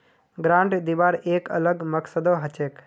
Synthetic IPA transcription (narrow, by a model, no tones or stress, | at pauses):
ɡɾãːɳʈd̪iʋaːɾeːkə̰ləɡməksəd̪oɦət͡ʃeːk